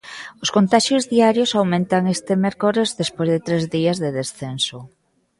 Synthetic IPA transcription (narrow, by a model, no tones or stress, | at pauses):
ʊskont̪aʃjozðiaɾjosawmẽnt̪aŋest̪emeɾkoɾezðespojzðet̪ɾezðiazðeðesθenso